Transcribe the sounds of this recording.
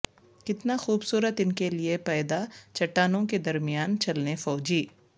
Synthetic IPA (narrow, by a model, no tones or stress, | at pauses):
kɪt̪naxuːbsuːɾət̪ɪnkeliepɛːd̪at͡ʃɐʈːaːnõked̪ɐɾmɪjaːnt͡ʃɐlnefɔːd͡ʒiː